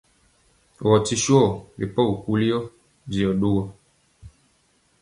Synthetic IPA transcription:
wɔ˨ti˦ʃu˦ɔ˦˨le˨pɔ˦u˨ku˦li˦jɔ˦ | d͡ʒi˨ɔ˨ɖo˦wɔ˦

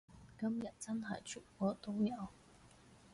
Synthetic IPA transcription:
kɐ˥mjɐ˨t̚t͡sɐ˥nɦɐ̰˨jt͡ʃʰy˨˩t̚kʷɔː˨˥t̪o˥wjɐ˨˧w

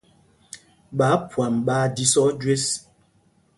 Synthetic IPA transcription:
ɓa˨˦pwa˨mɓaː˦di˦sɔ˦d͡ʒwe˦s

